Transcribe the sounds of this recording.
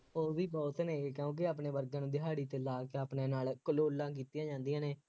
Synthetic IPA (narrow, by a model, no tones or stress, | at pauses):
oːʋiːbɔːt̪nẽːkjũːk̬ɪaːpneːʋəɾɡãːnũːd̪ɪɦaːɽiːt̪eːlaːkeːaːpneːnaːlkəloːlːãːk̬iːt̪ijãːd͡ʒãːnd̪ijãːneː